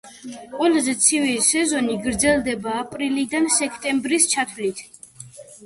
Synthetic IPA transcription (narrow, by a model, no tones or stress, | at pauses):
qʼwɛlazɛt̪sʰivilisɛzɔniɡɾd̪zɛlˠd̪ɛbaːpʼɾilid̪ansɛkʰt̪ʼɛmbɾist͡ʃʰat̪ʰlit̪ʰ